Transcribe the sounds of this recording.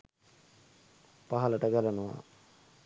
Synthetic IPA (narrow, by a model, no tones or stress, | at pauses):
paɦɐlɐʈəɡalanuʋa̰